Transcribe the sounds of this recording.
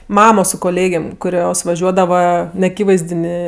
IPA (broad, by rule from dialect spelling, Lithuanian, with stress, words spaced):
ˈmɑːmoː sʊ koːˈlʲeːɡʲeːm kʊˈrʲoːs ʋɐˈʒʲuɔdɐʋɐ nʲɛɐˈkʲiːʋɐɪzʲdʲɪnʲeː